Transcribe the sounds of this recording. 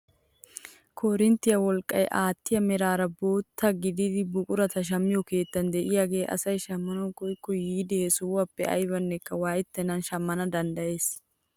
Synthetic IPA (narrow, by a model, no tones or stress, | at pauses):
kʰɔɾɪnt̪ːɪjɐwɔlkʼːɐ̰jʔaːt̪ːɪjɐmɛɾaːɾɐbo̞ːt̪ːɐɡɪd̪ɪd̪ɪbʊkʼʊɾɐt̪ɐʃ̬ɐmːɪjɔke̞ːt̪ːɐnd̪ɛʔɪjaːɡe̞ːʔɐ̰sɐjʃɐmːɐnɐkɔjkːɔjiːd̪ɛɛsʊːwɐpːɛɐ̰jbɐnːɛkːɐwaːjɪt̪ːɛnɐnʃɐmːɐnɐd̪ɐnd̪ɐje̞ːs